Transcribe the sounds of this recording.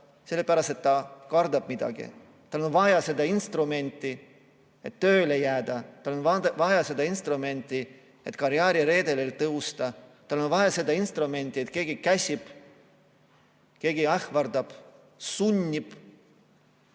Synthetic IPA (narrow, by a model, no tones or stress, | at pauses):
se̞lːepæɾɑst̪et̪t̪ːɑkɑrd̪ɑb̥̚mid̪̥ɑ̰ɡḭ | t̪ɑlo̞nvɑjɑse̞d̪ɑinst̪rume̞nʲt̪ʲˑːi | e̞t̪t̪ːøːlejæːd̪ɑt̪ɑlonvɑvɑjɑse̞d̪ɑinst̪rume̞nʲt̪ʲːˑi | e̞t̪kɑɾjɑːɾiɾe̞ːd̪e̞lelt̪ɤɦust̪ɑt̪ɑlːo̞nvɑjɑse̞d̪ɑinst̪rɾume̞nʲt̪ːˑie̞t̪ke̞ːɡ̥ikæsʲib̥ | ke̞ːɡiæhvɑrd̪ɑb̥ | sunʲːib̥